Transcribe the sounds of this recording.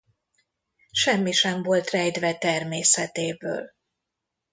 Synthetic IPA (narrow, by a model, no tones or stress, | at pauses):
ʃɛmːiʃɛɱvo̞lt̪rɛjd̪vɛt̪ɛrmeːsɛt̪eːbø̰ːl